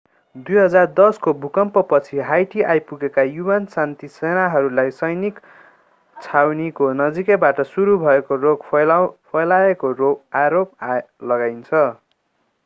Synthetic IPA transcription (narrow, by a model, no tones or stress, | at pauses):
d̪ujɦʌd͡zard̪ʌskobʱukʌmpʌpʌt͡sʰiɦajʈiʔajpuɡekajubansant̪isenaɦʌɾulajsʌjnik | t͡sʰawnikonʌd͡zikebaʈʌsuɾubʱʌekoroɡpʰʌjlaekoɾoaɾop̚alʌɡajnt͡sʰʌ